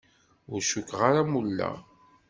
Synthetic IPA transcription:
ʊɾʃukːʁaɾamulːæ̰

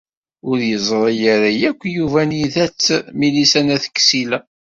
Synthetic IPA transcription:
ʊɾjəzˤɾˤɑjəɾajækʷːjuvæniðæt͡sːmilisænæθə̥kːsilæ

